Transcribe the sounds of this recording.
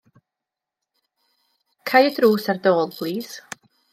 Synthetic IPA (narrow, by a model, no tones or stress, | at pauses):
kʰajədruːsardoːlˠpʰlˠiːz̥